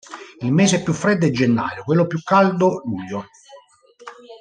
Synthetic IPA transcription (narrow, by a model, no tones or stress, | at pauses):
ilmeːseɛpːjufːɾed̪ːed͡ʒenːa̰ːjokwelːopjukːald̪oluʎːo